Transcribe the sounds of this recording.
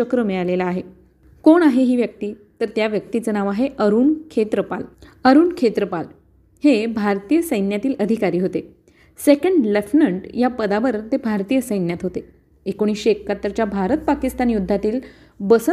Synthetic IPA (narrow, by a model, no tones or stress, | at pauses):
əkɾəmeɭalelaːɦe | koɳaɦeɦiːʋjək̚t̪iːt̪əɾt̪jaʋjək̚t̪it͡sənaʋaɦeʔəɾuːnkʰet̪ɾəpa̰ləɾuːnkʰet̪ɾəpal | hebʱaɾt̪ijəsəjnjat̪iːləd̪ʱikaɾiːɦot̪e | sekəɳɖlefnəɳʈjapəd̪aʋəɾt̪ebʱaɾt̪iːjəsəjnjat̪ɦot̪e | ekoɽ̃iːɕiekːat̪əɾt͡ɕjabʱaɾət̪̚pakist̪anjud̪ʱːat̪iːl | bəsə